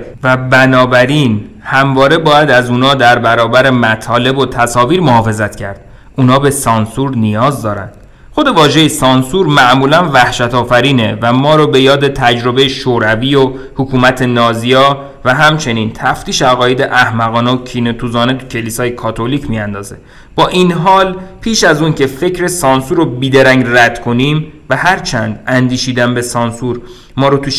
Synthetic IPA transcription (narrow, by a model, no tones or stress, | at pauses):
væbænɒːbæɾiːn | hæmvɒːɾe̞bɒːjæd̪æzuːnɒːd̪æɾbæɾɒːbæɾe̞mæt̪ʰɒːle̞bo̞t̪ʰæsɒːviːɾmohɒːfe̞zæt̪cʰæɾd̪̥ | ʔunɒːbe̞sɒnsuɾnijɒːzd̪ɒːɾæ̰nd̪̥ | xo̞d̪e̞vɒːʒe̞jesɒnsuɾmæʔmuːlænvæhʃæt̪ʰɒːfæɾiːnevæmɒːɾobe̞jɒːd̪e̞t̪ʰæd͡ʒɾo̞bejeʃoɾævio | hukʰuːmæt̪ʰe̞nɒːzijɒː | væɦæmt͡ʃʰe̞niːnt̪ʰæft̪iːʃeæɣɒːjed̪eʔæhmæɣɒːneocʰinet̪ʰuːzɒːnet̪ʰu̥cʰe̞liːsɒːjekʰɒːt̪ʰolicʰmijænd̪ɒːze | b̥ɒːʔinɦɒːlpʰiːʃæzuːncʰe̞fe̞cʰɾe̞sɒːnsuɾobiːd̪eɾæŋɟræd̪̥kʰo̞niːmvæhæɾt͡ʃʰænd̪ænd̪iːʃiːd̪ænbe̞sɒːnsuɾ | mɒːɾot̪ʰuʃ